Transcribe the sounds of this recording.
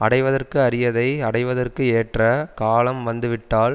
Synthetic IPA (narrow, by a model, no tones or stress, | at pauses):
ɐɽɐɪʋɐðɐrkɯɐɾɪjɐðɐɪɐɽɐɪʋɐðɐrkɯeːʈrɐkaːlɐmʋɐnd̪ɯʋɪʈːaːl